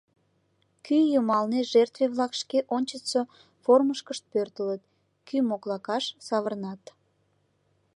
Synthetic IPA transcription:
kyjəmɑlneʒert̪veβlɑkʃkeʔonʲt͡ɕəsə | forməʃkəʃt̪̚pørt̪ələt̪ | kymoklɑkɑʃsɑβərnɑt̪

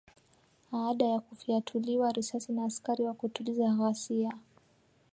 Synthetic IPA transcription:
aːɗajakufiatʰuliwaɾisasinaːskaɾiwakutulizaɣasia

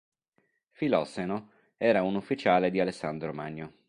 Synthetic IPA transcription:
filɔseno | ɛːɾaunufːit͡ʃaːled̪ialesːand̪ɾomaɲːo

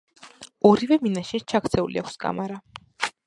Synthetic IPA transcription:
ɔɾivɛminaʃɛt͡ʃʰakʰɾt̪sʰɛṵliakʰʷskʼa̰maɾa

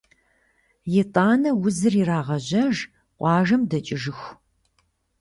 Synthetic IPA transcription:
jɪtʼaːnɐwʊzɨriraːʁɐʑɐʒ | qʷɑːʒɐmdɐt͡ʃʼɪʒɨx

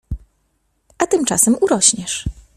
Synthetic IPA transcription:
ʔat̪ɘmt͡ʂa̰sɛmuɾɔɕɲɛʂ

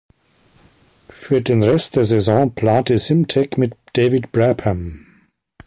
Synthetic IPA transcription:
fyːɐdeːnʁɛstd̥eːɐzɛzɔ̃ːpʰl̥aːntəzɪmtʰɛkmɪtd̥eːvɪtb̥ʁɛpʰɐm

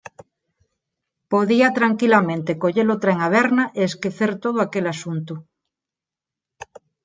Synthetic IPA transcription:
poðiat̪ɾaŋkilamẽnt̪ekoʎeɾot̪ɾaeŋaβeɾnaʔeeskeθeɾt̪oð̞ʊakelasunt̪u

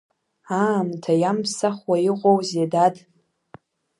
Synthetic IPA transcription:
amtʰajampsaχwajiqʷʼowzedad

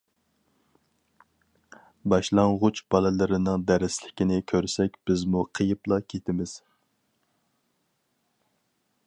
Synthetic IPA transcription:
bɑʃlˠɑŋʁʊt͡ʃb̥ɑlˠɨlˠɨɾɪnɨŋd̪æɾɪslɪkʲinɪkʲʰøɾsɛkʲb̥ɪzmuqʰəjɨplˠɑkʲʰet̪ʰɪmɪz̥

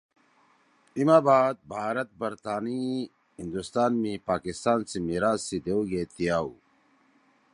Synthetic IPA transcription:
imaːbaːd̪̚bʱaːɾɐt̪̚bɐɾt̪aːni | ɦind̪ust̪aːnmĩpaːkist̪aːnsimiɾaːzːid̪euɡeːt̪ijaːu

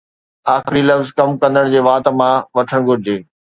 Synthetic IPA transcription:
aːxɪɾilɐfzkɐmkɐ̃nd̪əɽ̃d͡ʑeːʋaːt̪̆mãʋɐʈʰəɽ̃ɡʱʊɾɪd͡ʑeː

